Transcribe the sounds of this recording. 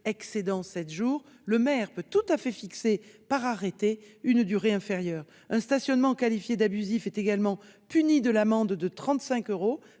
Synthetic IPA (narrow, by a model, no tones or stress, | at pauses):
ɛksed̪ɑ̃sɛt̪ʒuʁ | ləmɛʁpøt̪ut̪afɛfiksepaʁaʁet̪eynd̪yʁeɛ̃feʁjœːʁ | ɛ̃st̪asjɔnmɑ̃kalifjed̪abyzifɛt̪eɡalmɑ̃pynid̪əlamɑ̃d̪d̪ət̪χɑ̃t̪sɛ̃køʁo